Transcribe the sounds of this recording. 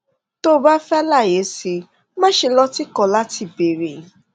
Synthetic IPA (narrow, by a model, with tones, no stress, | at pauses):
to˦ba˦fɛ˦la˦˨je˨˦si˧ | mã˦ʃe˧lɔ˧ti˦kɔ˧˨la˦ti˧˨be˨ɾe˨